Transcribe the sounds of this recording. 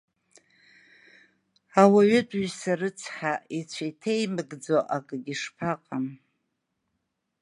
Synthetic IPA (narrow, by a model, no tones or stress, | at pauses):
awaɥʏtʼɥsarɨt͡sʰħaʔit͡ɕʷʰajtʰejmɨɡd͡zoʔakʼɨɡʲiʂpʰaqʼam